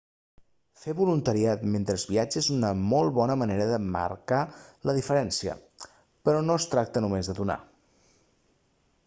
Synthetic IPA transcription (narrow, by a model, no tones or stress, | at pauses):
feβulunt̪əɾiat̪ment̪ɾəːzβiad͡ʒəzunəmolˠβɔnəməneɾəðəmə̰ɾkaləðifəɾɛnsiə̰ | pəɾɔnost̪ɾak̚t̪ənumezðəðuna̰